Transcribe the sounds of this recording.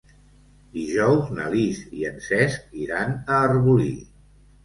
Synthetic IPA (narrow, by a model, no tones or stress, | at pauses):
d̪iʒɔwznə̰liziənsɛsk̚iɾanəːrβulḭ